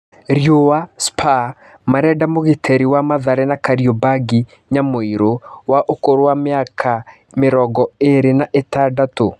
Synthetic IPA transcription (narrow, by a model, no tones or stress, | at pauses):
ɾjowaspʰa | maɾɛdamoɣetʰɛɾiwamaðaɾɛnakaɾiɔbaɡi | ɲamoiɾowaʔokoɾowameakʰa | meɾɔɡɔeɾenaʔetadato